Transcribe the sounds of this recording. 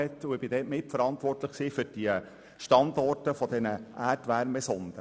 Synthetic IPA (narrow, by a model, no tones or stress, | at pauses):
ɛtːuɪb̥ɪdɛːtmɪtfəɾɑntʋɔrtləχksiːfʏɾd̥iə | ʃtɑndɔrtəfɔd̥ɛnəʔæːrtʋæɾmɛsɔnd̥̪ə